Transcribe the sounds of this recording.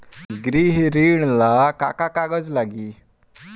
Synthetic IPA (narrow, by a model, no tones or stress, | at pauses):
ɡɾiɦɾiɳlakakakaɡəd͡zlaɡiː